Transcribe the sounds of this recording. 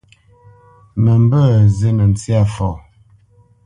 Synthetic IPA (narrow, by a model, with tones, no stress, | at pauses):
mə˨m˦bə˦˨ze˦nə˨n˨t͡si˦a˦˨fɔ˨